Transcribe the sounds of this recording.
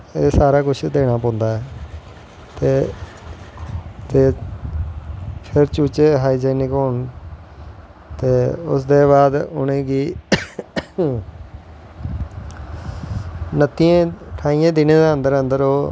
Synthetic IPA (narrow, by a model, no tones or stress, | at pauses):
eːsaːɾaːkʊt͡ʃʰd̪eːɽ̃aːp̬ɔ̃ːnd̪aːɛː | t̪eː | t̪eː | pʰɪɾt͡ʃuːt͡ʃeːɦaːiːd͡ʒɛːnɪkɦoːɳ | t̪eːʊ̰sd̪eːβaːd̪ʊ̰nẽːɡiː | nət̪iẽːʈʰaːiːjãːd̪ɪnẽːd̪eːə̃nd̪əɾənd̪əɾoː